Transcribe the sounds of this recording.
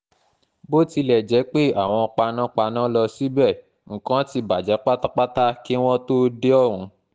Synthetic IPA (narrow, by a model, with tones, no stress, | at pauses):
bo˦ti˧lɛ˨d͡ʒɛ˨˦k͡pe˦˨a˨w̃ɔ̃˧k͡pa˧nã˦k͡pa˧nã˦lɔ˧si˨˦bɛ˦˨ | ŋ̩˨kã˨˦ti˧ba˨d͡ʒɛ˨˦k͡pa˦ta˦k͡pa˦ta˦ki˦w̃ɔ̃˦to˦de˦ɔ˦˨ɾ̃ũ˨˧˦